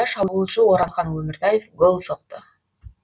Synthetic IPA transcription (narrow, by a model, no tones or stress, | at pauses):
ɑʃɑβuːlˠt͡ʃuoɾɑnχɑnɵmɪɾt̪ajefɡolˠsoqt̪ə